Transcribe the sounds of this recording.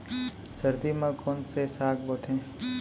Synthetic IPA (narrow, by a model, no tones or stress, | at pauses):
sɐɾd̪imãkʰonsesaːk̚boːt̪ʰẽː